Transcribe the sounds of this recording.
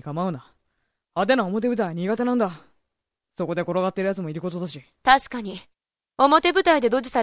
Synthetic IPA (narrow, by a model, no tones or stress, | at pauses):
kamaɯ̟na | ad̪e̞naomo̞t̪̬ebɯ̟t̪̬aiɲ̟iːɡat̪e̞nãnd̪a | so̞ko̞d̪e̞ɡoɾoɡat̪ːe̞ɾɯjat͡sɨmo̞iɾɯ̟ko̞t̪od̪aɕit̪aɕi̥kaɲ̟i | o̞mo̞t̪e̞bɯ̟t̪aid̪e̞d̪o̞d͡ʑisaɾ